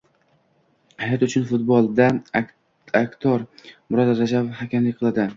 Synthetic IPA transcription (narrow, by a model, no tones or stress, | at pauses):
hajat̪ʊt͡ʃʰʊnfʊt̪̚bolˠd̪a | akʲt̪ʰɒɾmʊɾɒd̪aɾad͡ʒavhakʲɪmlɪkʲqʰɨlˠad̪ɪ